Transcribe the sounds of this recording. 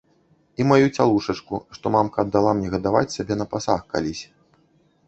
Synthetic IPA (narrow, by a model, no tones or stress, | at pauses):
imajut͡sʲalˠuʂɐt͡ʂkuʂt̪ɔmamkɐːd̪ːalˠamnʲɛɣɐd̪ava̰t͡sʲsʲabʲɛnɐpasaxka̰lʲisʲ